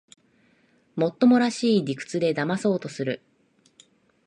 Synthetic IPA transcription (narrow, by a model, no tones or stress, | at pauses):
mo̞t̪ːo̞mo̞ɾaɕiːdʲikɯ̟̥t͡sɨd̪e̞d̪amaso̞ːt̪o̞sɨɾɯ̟